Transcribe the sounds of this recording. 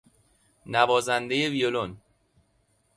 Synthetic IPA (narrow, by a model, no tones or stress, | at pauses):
nævɒːzænd̪e̞je̞vijolon